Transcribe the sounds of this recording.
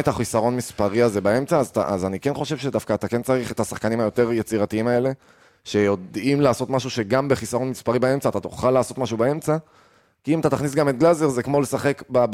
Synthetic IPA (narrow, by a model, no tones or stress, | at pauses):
et̪aχisaʁo̞nmispaʁiaze̞bae̞mt͡saːzat̪a̰ʔazanike̞nχo̞ʃe̞vʃe̞d̪afkaːt̪ake̞nt͡saʁiχet̪asaχkanimajo̞t̪e̞ʁjet͡siʁatiimae̞le̞ | ʃe̞jo̞d̪imlaːso̞t̪maʃuʃe̞ɡambe̞χisaʁo̞nmispaʁibae̞mt͡saːt̪at̪oχalːaːso̞t̪maʃubae̞mt͡sa | kiimat̪at̪aχnis̬ɡamet̚ɡlaze̞ʁzekmole̞saχe̞kba